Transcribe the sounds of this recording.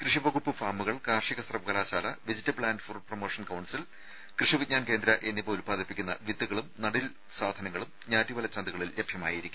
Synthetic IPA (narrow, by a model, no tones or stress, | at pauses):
krɨʂiʋɐɣupːɨfaːmːuɣɐɭkaːrʂiɣɐsrɐpkɐlaːɕaːlɐʋid͡ʑitːɐbɭaːndfurprɐmoːʂɐnkɐwɳɖsil | krɨʂiʋit̚ɲaːnke̞ːnd̪ɾɐʔe̞nːipoːlpaːd̪ʱipːikʲːunːɐ̰ʋid̪ːuɣɐɭumnɐɽil | saːd̪ʱɐnɐŋːɐɭumɲaːɾiʋɐlɐt͡ɕːɐnd̪uɣɐɭilːebʱjɐma̰ːjiiɾikʲːum